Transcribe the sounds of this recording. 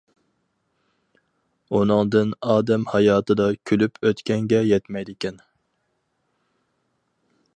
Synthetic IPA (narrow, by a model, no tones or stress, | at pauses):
unɨŋd̪ɨnɑːd̪ɛmhɑjɑːt̪ɨd̪ɑkʲʰylypʰøt̪kʲɛŋɡʲɛjɛt̪mɛjd̪ɪkʲʰɛn